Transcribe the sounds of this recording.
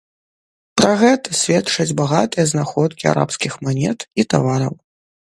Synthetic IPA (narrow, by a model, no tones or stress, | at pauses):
pɾaɣɛt̪ɐsʲvʲɛtt͡ʂɐd͡zʲbaɣat̪ɨjɐznaxɔt̪̚kʲia̰ɾʔa̰pskʲixmanʲɛt̪it̪a̰vaɾɐw